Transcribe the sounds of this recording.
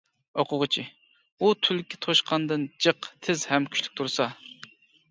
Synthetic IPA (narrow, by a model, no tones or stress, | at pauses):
oqʊʁət͡ʃʰi | ut̪ʰylkʲʰɪ̥t̪ʰoʃqʰɑnd̪ɨnd͡ʒəqt̪ʰɪzhɛmkʲʰy̥ʃʲly̥k̚ʲt̪ʰuɾsɑ